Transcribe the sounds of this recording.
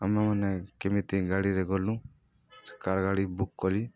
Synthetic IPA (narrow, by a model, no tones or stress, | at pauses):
əmamənekemit̪iɡaɽiɾeɡolːũ | sə̥kaɾɡaɽibukːoli